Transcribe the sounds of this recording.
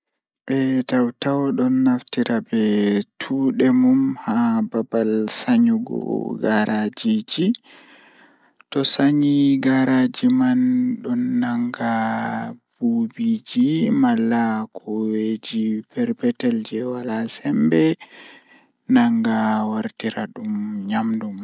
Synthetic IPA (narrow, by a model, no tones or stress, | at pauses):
ʔɛtawtawɗɔnːaftiɾʔabɛtʰuːɗɛmumhababalsaɲuɡɔ̰ɡaɾʔad͡ʒid͡ʒi | tɔsaɲiɡaɾad͡ʒimanɗɔnːaŋɡa | b̥ubid͡ʒimalːakʰɔwed͡ʒipɛɾpɛtɛld͡ʒɛwalasɛmbɛ | naŋɡawaɾtiɾaɗumɲamdum